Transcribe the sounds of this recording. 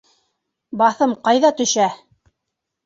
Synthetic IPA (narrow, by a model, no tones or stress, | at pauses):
bɑθɤmqɑjðɑt̪ɵ̆ʃæ